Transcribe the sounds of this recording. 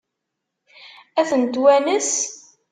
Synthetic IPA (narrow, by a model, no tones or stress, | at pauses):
æθənt̪wænəs